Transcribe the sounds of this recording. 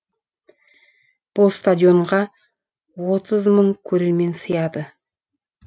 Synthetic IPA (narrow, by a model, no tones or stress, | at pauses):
b̥ʊlˠst̪ad̪ʲjo̞ɴʁɑ | wo̞t̪əzməɴkʲʰɵɾeme̞nsəjɑd̪ə